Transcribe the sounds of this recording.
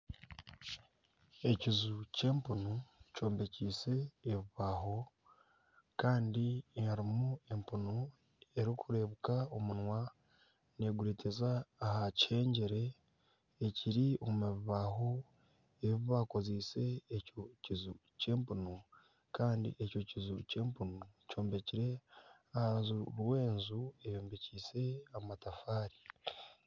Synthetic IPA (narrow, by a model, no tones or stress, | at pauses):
e̞cizuce̞ːmpunuco̞ːmbe̞ciːse̞ːβiβaːɦo̞ | kaːndihaɾimue̞mpuno | e̞ɾikʰuɾe̞βukaomunwa | ne̞ɡuɾeːtezaːhace̞ːɲɟeɾe̞ː | ciɾiommeβiβaɦo̞ | eβiβako̞zise̞ːcocizu | ce̞ːmpuno | kaːndḭʔeco̞cizuce̞ːmpunouco̞ːmbe̞ciɾe̞ | ahazuɾwe̞ːnzue̞jo̞ːmbe̞ciːse̞amatafaːɾi̥